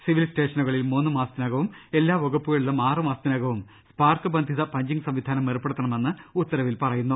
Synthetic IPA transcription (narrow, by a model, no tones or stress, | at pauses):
siʋilsʈe̞ːʂɐnuɣɐɭilmuːnːɨmaːst̪inɐɣɐʋume̞lːaːʋoɡɐpːuɣɐɭuɭːɐmaːrɨmaːst̪inɐɣɐʋum | spaːrkɨbɐnd̪ʱiðɐpɐɲd͡ʑiŋɡsɐmʋid̪ʱaːnɐmːerupːeɽut̪ːɐɳɐme̞nːɨut̪ːɐɾɐʋilpɐrɐjunːu